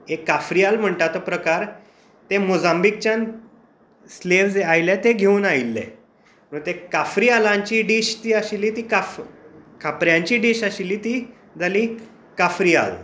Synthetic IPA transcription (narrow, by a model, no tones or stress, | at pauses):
ekːafɾialm̤əɳʈ̪at̪opɾəkaɾ | t̪emud͡zambik̚t͡ɕan | sleʋd͡zajlɛ̃t̪eɡʱeuːnailːḛ | mənt̪ekafɾialãɲt͡ɕiːɖiːɕt̪iːaɕilːiːt̪iːkafkapɾjãɲt͡ɕiɖiːɕaɕilːiːt̪iː | d͡zaliː | kafɾia̰l